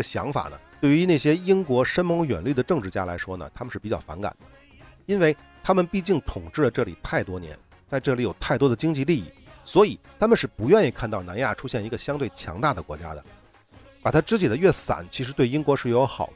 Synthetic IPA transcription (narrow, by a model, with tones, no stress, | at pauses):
ə˩ɕjɑ̰˧˥ŋfa̰˨˩nə̰˦t̪we˥˩y˧˥ne˥˩ɕ̬jɛ˥i˥ŋkwɔ˧˥ʂə˥nmɤ˧˥ŋɥɛ̰˨˩nly˥˩d̪ə˩ʈ͡ʂɤ˥˧ŋʈ͡ʂɻ̩˥˩t͡ɕja̰˥la˧˥ɪʂwɔ˥nə̰˨t̪ʰa˥mə˧ʂɻ̩˥˩pi˨˩t͡ɕɑ˥˩ʊfa̰˧˥nka̰˨˩nd̪ə˦ | i˥nwe˥˩ɪ | t̪ʰa˥mə˨npi˥˧t͡ɕi˥˩ŋt̪ʰʊ˨˩ŋʈ͡ʂɻ̩˥˩lə˩ʈ͡ʂɤ˥˩li˨˩t̪ʰa˥˩ɪt̪wɔ˥njɛ̰˧˥n | t͡sa˥˧ɪʈ͡ʂɤ˥˩li˨˥jo˨˩ʊt̪ʰa˥˩ɪt̪wɔ˥d̪ə˨t͡ɕi˥ŋt͡ɕi˥˧li˥˧ḭ˥˩swɔ˧˥i˨˩t̪ʰa˥mə˨nʂɻ̩˥˩pu˧˥ɥɛ˥˧ni˥˧kʰa˥˧nt̪ɑ˥˩na˧˥nja̰˥˩ʈ͡ʂʰu˥ɕjɛ˥˩ni˧˥ɡə˧ɕjɑ˥ŋt̪we˥˩ɪt͡ɕʰjɑ̰˧˥ŋt̪a˥˩d̪ə˩kwɔ˧˥t͡ɕja̰˥d̪ə̰˨ | pa˨˩t̪ʰa˥ʈ͡ʂɻ̩˥t͡ɕi˨˩d̪ə˦ɥɛ˥˩sa̰˨˩˦nt͡ɕʰi˧˥ʂɻ̩˧˥t̪we˥˩ɪi˥ŋkwɔ˧˥ʂɻ̩˥˩jo˧˥ʊxɑ̰˨˩˦ʊ˦